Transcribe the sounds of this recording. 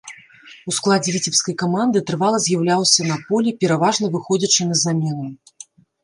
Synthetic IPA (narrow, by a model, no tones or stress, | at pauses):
usklˠad͡zʲɛvʲit͡sʲɛpskɐjkamand̪ɨt̪ɾɨvalˠɐzʲjawlʲawsʲɐnɐpɔlʲipʲɛɾavaʐnɐvɨxɔd͡zʲɐt͡ʂɨnɐzamʲɛnɨ